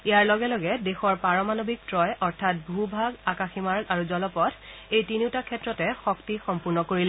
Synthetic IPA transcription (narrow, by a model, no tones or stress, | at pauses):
ijaɹlɔɡɛlɔɡɛdexɔɹpaɹɔmanobik̚tɹɔjʔɔɹtʰat̚bʱubʱaɡakaximaɹɡaɹuzɔlɔpɔtʰejtiniwtakʰɛtɹɔtɛxɔktixɔmpuɹnɔkoɹilɛ